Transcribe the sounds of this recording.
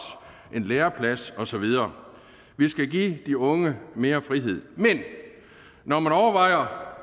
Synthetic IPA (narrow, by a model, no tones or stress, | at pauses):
ʔe̝nleːɐpʰlæsɒ̽sɒ̽ʋið̞ˠɐː | ʋisɡ̥æɡḭːd̥iɔ̽ŋəme̝ːɐfʁiɦe̝ð̞̰ˠmen | nɒmænɒʊɐʋɑ̈ɪ̰ɐ